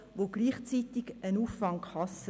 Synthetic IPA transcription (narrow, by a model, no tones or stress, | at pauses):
ʋoɡ̥liːχt͡sit̪iɡənuːffɑŋkχɑs